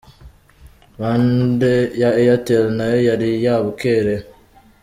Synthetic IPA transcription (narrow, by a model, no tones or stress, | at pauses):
βandejaejateɾenajojaɾijaβukeɾe